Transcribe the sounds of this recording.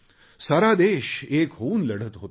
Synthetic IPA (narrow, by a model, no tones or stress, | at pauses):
saɾad̪eːɕeːkɦouːnləɽ̤ət̪ɦot̪